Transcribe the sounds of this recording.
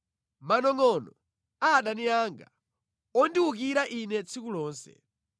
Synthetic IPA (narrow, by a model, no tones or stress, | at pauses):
manɔŋɔnɔ | aːɗaniaːŋɡa̰ | ɔndiuk̬iɾaʔinɛt͡sʰikulɔːnsɛ̰